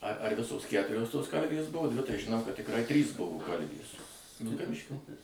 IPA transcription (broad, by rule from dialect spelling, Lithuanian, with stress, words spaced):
ɐr ɐr ˈʋʲɪsoːs ˈkʲætʊrʲoːs toːs ˈkɐlʲʋʲeːs ˈbʊʋoː ˈdʲʋʲɪ tɐɪ ʒʲɪˈnɐʊ kɐt tʲɪkˈrɐɪ ˈtʲrʲiːs ˈbʊʋoː ˈkɐlʲʋʲeːs ʋʲɪlˠkɐˈʋʲɪʃʲkʲoː